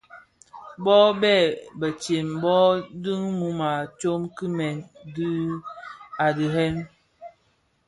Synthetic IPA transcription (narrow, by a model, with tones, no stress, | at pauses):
bɔ˦bɛ˦˨bə˨t͡ʃe˨mbɔ˦dɨ˦ŋmu˦ma˨t͡ʃo˦mki˦mɛ˨ndɨ˦ | a˨dɨ˨ɦɛ˦m